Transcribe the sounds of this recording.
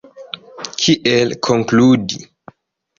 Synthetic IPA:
kʰiʔelkʰoŋkludi

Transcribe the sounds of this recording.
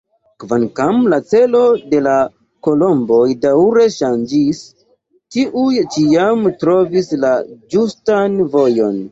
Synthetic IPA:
kvankamlat͡se̞lo̞de̞la | ko̞lo̞mbo̞jdawɾe̞ʃand͡ʒis | tiʔujt͡ʃiamtɾo̞vislad͡ʒustanvo̞jo̞n

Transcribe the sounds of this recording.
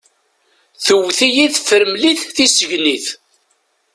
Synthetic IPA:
θəwθijiθfəɾmliθθisəʝniθ

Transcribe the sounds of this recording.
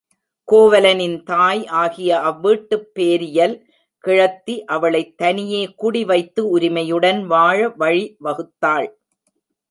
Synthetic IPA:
koːʋɐlɐnɪnt̪aːjaːɣɪjɐʔɐʋːiːʈːɯpːeːɾɪjɐl | kɪɻɐt̪ːiʔɐʋɐɭɐɪt̪ːɐnɪjeːkʊɽiʋɐɪt̪ːɯʊɾɪmɐjɯɽɐnʋaːɻɐʋɐɻiʋɐɣɯt̪ːaːɭ

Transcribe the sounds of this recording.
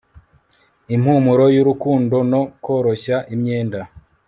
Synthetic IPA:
imhumuɾo̞juɾukuːndo̞no̞ko̞ːɾo̞ɕaʔimɲe̞ːnda

